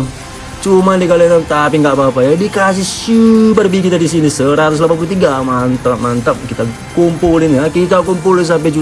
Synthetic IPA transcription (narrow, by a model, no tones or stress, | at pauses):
t͡ʃumandikalinamt̪apiŋɡaʔbapajadikas̬ɪhsupərbikit̪adisinisəɾat̪ʊs̬lapanpulut̪̬iɡamant̪əmant̪əm̚kit̪a | kumpulɪnjakit̪akumpulɪns̬amp̬ɛd͡ʒu